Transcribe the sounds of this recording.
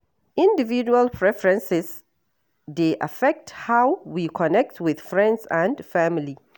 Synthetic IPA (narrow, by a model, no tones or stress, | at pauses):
ĩndivid͡ʒualpʰɹɛfɹɛ̃nsɛs | deʔa̰fɛk̚thawwikʰɔnɛk̚tʰwɪð̥fɹɛ̃ndsãndfamili